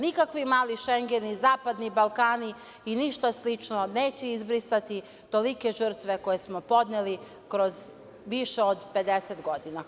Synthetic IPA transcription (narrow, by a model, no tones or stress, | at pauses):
nikakʋimaːliʃeŋɡe̞nizaːpad̪nibalˠkaːni | iniʃt̪aslit͡ʃno̞neːt͡ɕeizbɾisat̪i | t̪o̞like̞ʒr̩t̪ʋe̞ko̞jesmo̞po̞d̪neli | kɾo̞z | ʋiʃeod̪pe̞d̪eset̪ɡo̞d̪ina